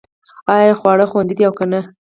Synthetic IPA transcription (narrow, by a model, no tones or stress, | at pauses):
ɑjjɑxwɑɽəxwand̪id̪iawkana